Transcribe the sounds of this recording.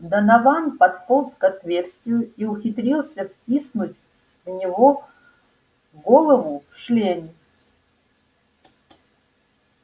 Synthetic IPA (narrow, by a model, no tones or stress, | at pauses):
d̪ənɐvanpɐt̪polˠskɐt̪vʲersʲt̪ʲɪjʊiʊxʲɪt̪ɾʲilˠsʲəftʲisnʊtʲ | vnʲɪvo | ɡolˠəvʊfʂlʲenʲɪ